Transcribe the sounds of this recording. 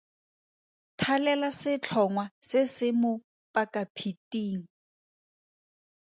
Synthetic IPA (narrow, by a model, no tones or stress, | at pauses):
tʰalɛlasɪt͡ɬʰɔŋwasɪsɪmʊ | pʼakapʰitʼiːŋ̩